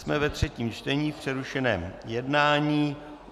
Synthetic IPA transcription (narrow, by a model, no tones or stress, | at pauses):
smɛvɛt̪r̝̥ɛciːmt͡ʃt̪ɛɲiːfpr̝̥ɛɾuʃɛnɛ̰ːmjɛdnaːɲiː